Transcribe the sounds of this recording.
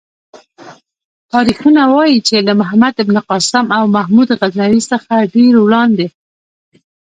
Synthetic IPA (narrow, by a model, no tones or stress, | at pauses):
t̪ɑɾixunawɑjit͡ʃelamʊɦamad̪ɪbniqɑsɪmawmahmud̪ɣaznaɾisəxaɖeɾwɽɑnd̪e